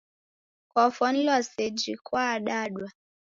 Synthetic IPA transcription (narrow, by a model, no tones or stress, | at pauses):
kɔfɔn̩lwased͡ʒikwaɗaɗwa